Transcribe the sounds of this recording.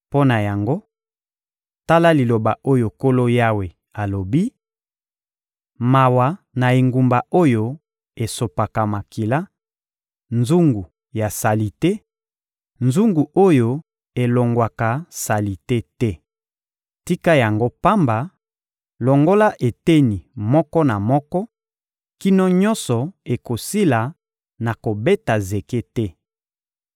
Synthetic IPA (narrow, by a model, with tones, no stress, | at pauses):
po˦na˨ja˨ŋɡo˦ | ta˦la˦li˨lo˨ba˨ʔo˦jo˨ko˦lo˦ja˦we˨ | a˨lo˨bi˦ | ma˨wa˨ | na˨e˨ŋɡu˨mba˨o˦jo˦ | e˨so˨pa˨ka˨ma˨ki˨la˦ | nzu˦ŋɡu˨ | ja˨sa˨li˨te˦ | nzu˦ŋɡu˨ʔo˦jo˦ | e˨lo˨ŋɡwa˨ka˨sa˨li˨te˦tɛ˦ | ti˦ka˦ja˨ŋɡo˦pa˦mba˨ | lo˨ŋɡo˦la˦ʔe˨te˦ni˨mɔ˦kɔ˦na˨mɔ˦kɔ˦ | ki˦nɔ˦ɲɔ˦nsɔ˨e˨ko˨si˦la˨ | na˨ko˨be˦ta˨ze˨ke˦tɛ˦